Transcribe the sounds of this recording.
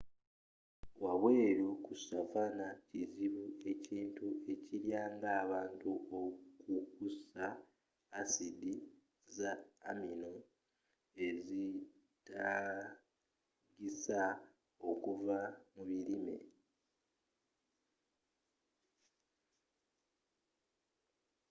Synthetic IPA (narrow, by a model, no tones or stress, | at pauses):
waβwe̞ːɾukusavanaciziβue̞ciːntue̞ciɾjaːŋɡaːβaːntuʔokukusaː | sidi | zaːmino | e̞zi | tʰa | ɡisa | o̞kuvamuβiɾimḛ